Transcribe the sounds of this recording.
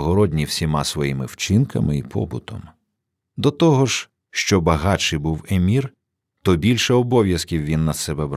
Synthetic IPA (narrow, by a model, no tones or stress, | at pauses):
ɦɔɾɔdʲnʲiwsʲimɑsʋɔjimɪwt͡ʃɪnkɐ̰mɪipʰɔ̰bʊt̪ɔ̰m | d̪ɔt̪ɔɦɔʒ | ʃt͡ʃɔbɐɦɑt͡ʃɪjbuwemʲir | t̪ɔbʲilʲʃɛɔbɔʋʲjɐskʲiwʋʲinːɐsɛbɛbɾ